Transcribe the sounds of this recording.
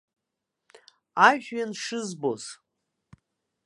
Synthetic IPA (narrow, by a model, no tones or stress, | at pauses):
aʒɥanʂɨzboz